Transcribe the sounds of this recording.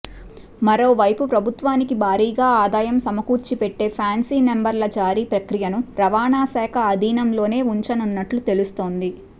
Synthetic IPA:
mɐɾo̞ːʋɐjpupɾɐbʱut̪ʋaːnikibʱaːɾiːɡaːaːd̪aːjɐmsɐmɐkuːɾt͡ʃipeʈːe̞ːpʰaːnsiːmembɐɾlɐd͡ʒaːɾipɾɐkɾijɐnuɾɐʋaːnaːsɛːkʰɐːd̪ʱiːnɐmlo̞ːne̞ːuɲt͡ʃɐnunːɐʈlut̪e̞lust̪o̞ːnd̪i

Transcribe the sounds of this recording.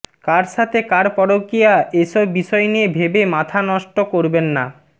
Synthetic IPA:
kaɾʃat̪ʰekaɾpɔɾokijaeʃɔbːiʃɔeniebʱebemat̪ʰanɔʃʈokoɾbenːa

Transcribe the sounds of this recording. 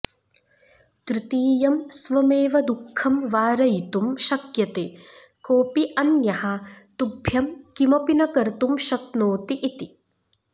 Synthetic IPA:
t̪ɾit̪iːjɐmsʋɐmeːʋɐd̪ukʰːɐmʋaːɾɐjit̪umʃɐkjɐt̪eː | koːpiʔɐnjɐhɐt̪ubʱjɐmkimɐpinɐkɐɾt̪umʃɐknoːt̪iʔːt̪i

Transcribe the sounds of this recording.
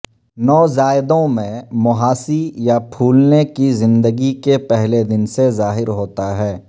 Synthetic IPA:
nɔːzaːɪd̪õmẽmʊɦaːsijapʰuːlnekizɪ̃nd̪əɡikepɛɦled̪ɪnsezaːɦɪɾɦoːt̪aɦɛː

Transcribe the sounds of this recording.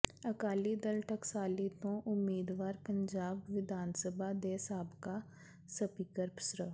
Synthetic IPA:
ɐkaːlid̪əlʈəksaːlit̪õʔʊmːiːd̪ʋaːɾpə̃ɲd͡ʒaːbʋɪd̪ʱaːnsəbʱad̪eːsaːbka | səpiːkəɾpsɾə

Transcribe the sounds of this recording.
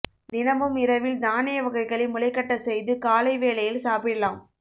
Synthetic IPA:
d̪ɪnɐʋɯmɪɾɐʋɪld̪aːnɛjɐʋɐɣɐɪɣɐɭɪmʊlɐɪkːɐʈːɐsɛjðɯkaːlɐɪʋeːlɐjɪlsaːpɪɽɐlaːm

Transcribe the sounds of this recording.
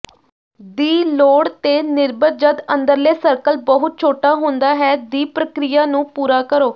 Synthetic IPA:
d̪iːloːɽt̪eːnɪɾbəɾ̚d͡ʒəd̪ə̃nd̪əɾleːsəɾkəlbəɦʊt̪̚t͡ʃʰoːʈaːɦʊ̃nd̪aːɦɛːd̪iːpɾəkɾɪjaːnũːpuːɾaːkəɾoː

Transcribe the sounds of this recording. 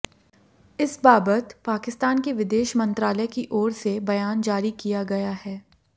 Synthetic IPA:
ɪsbaːbət̪paːkɪst̪aːnkeʋɪd̪eːʃmɐ̃nt̪ɾaːləkiʔɔːɾsebɐjaːnd͡ʒaːɾikijaɡɐjaɦɛː

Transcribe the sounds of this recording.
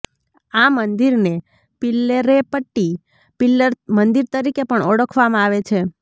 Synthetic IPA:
amənd̪iɾne | pɪlːeɾepəʈːi | pɪləɾmənd̪iɾt̪əɾikepəɳɔɽəkʰʋamãaʋet͡ʃʰe

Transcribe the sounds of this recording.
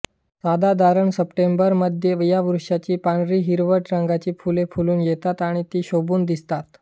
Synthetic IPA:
sad̪ad̪ʱaɾəɳsəpʈembəɾməd̪ʱjeʋijaʋuɾʂat͡ɕiːpaɳɾiːɦiɾʋəɾʈɾəŋɡat͡ɕiːfulefuluːnjet̪at̪aɽ̃it̪iːɕobuːnd̪ist̪at̪

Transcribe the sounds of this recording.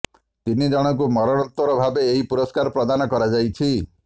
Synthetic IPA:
t̪inid͡ʒɔɽ̃ɔŋk̬umɔɾɔɽ̃ɔnt̪wɔɾɔbʱabeːɦipuɾɔskaɾɔpɾɔd̪anɔkɔɾad͡ʒajt͡ʃʰi

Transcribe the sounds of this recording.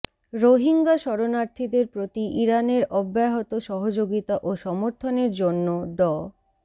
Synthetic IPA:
ɾoɦiŋɡaʃɔɾonaɾt̪ʰid̪eɾpɾot̪iʔiɾaneɾɔbːaɦot̪oʃɔɦod͡ʑoɡit̪aʔoʃɔmoɾt̪ʰoneɾd͡ʑonːoɖɔ

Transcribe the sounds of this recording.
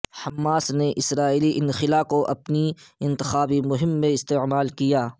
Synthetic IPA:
hɐmːaːsneʔɪsɾaːiːliʔɪnxɪlakoʔɐpniɪ̃nt̪ɪxaːbimʊɦɪmːẽɪst̪eʕmaːlkijaː

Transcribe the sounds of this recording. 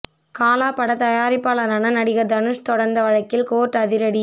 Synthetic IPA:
kaːlaːpɐɽɐt̪ɐjaːɾɪpːaːlɐnɐnɐnɐɽɪɣɐɾd̪ɐnɯʂt̪ɔɽɐɾnd̪ɐʋɐɻɐkːɪlkoːʈːɐðɪɾɐɽi

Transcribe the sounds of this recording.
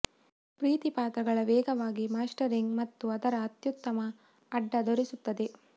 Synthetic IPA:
pɾiːt̪ipaːt̪ɾɐɡɐɭɐʋɛːɡɐʋaːɡimaːsʈɐɾiŋɡmɐt̪ːuɐd̪ɐɾɐːt̪jut̪ːɐmɐː | ɖːɐd̪oɾisut̪ːɐd̪e̞

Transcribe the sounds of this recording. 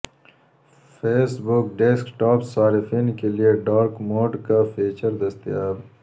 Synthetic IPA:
feːsbʊkɖeskʈaːpsaːɾɪfiːnkelijeɖaːɾkmoːʈkafiːt͡ʃɐɾd̪ɐst̪ijaːɾ

